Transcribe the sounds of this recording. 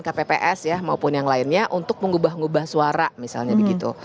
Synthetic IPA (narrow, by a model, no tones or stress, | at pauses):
nkapepeʔɛsjahmaupʊnjaŋlaɪnɲaʔunt̪ʊk̚məŋubahŋubahsuaɾamisa̰lɲabəɡit̪ṵ